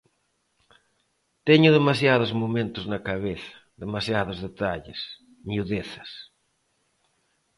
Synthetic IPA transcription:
t̪eɲʊðemasjað̞ozmomẽnt̪ʊznakaβeθɐ̥ | ðemasjaðozðet̪aʎḛs | niuðeθɐs

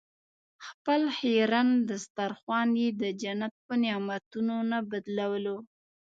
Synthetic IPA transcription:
xpəlheɾand̪əst̪aɾxwɑned̪əd͡ʒanat̪̚pənjɑmat̪unonabad̪lawəlo

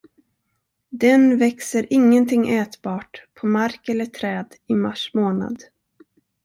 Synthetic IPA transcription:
d̪ɛnvɛksəɾʔɪŋːənt̪ʰɪŋːʔɛːt̪bɑːʈpʰɔmaɾkɛlːəʈʰɾɛːd̪ɪma̰ʂmoːna̰d̪

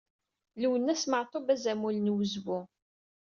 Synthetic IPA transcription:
luwənːæsməʕt̪ˤobæzæmulnwəzwʊ

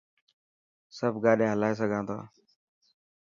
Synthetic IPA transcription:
səbɡaːɗẽːɦəlaːeːs̬əɡʱãːnd̪a̰ː

